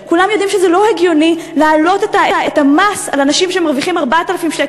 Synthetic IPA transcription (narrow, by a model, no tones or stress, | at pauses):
kulamjodimʃezelo̞heɡjonilaːlo̞te̞taeetamasalanaʃimʃemaʁviχimaʁbatalafimʃek